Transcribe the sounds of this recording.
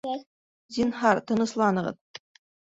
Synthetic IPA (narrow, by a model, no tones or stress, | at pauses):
zʲinɦɑɾt̪ɤ̆nɤ̆slˠɑnɤ̆ʁɤ̰ð